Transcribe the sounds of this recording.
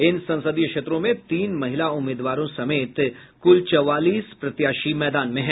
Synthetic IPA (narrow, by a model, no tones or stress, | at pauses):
ɪnsɐ̃nsəd̪ijəkʃeːt̪ɾõmẽt̪iːnmɐɦɪlaʊmːeːd̪ʋaːɾõsɐmeːt̪ | kʊlt͡ʃɔʋaːliːspɾɐt̪jaːʃimɛːd̪aːnmẽɦɛ̃